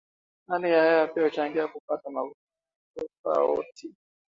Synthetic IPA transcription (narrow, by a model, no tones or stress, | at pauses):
nanijahajapiahut͡ʃaŋɡiakupatamavu | ɔfa̰ɔ̰tʰi